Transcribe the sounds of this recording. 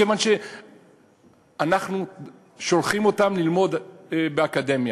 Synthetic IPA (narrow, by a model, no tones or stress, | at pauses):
evanʃe̞ | anaχnu | ʃo̞lχimo̞tamlilmo̞d̪beakade̞mja